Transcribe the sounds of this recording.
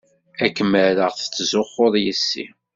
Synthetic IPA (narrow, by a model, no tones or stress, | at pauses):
ækːəməɾəʁθə̥t͡sːzʊχːʊðˤjəsːḭ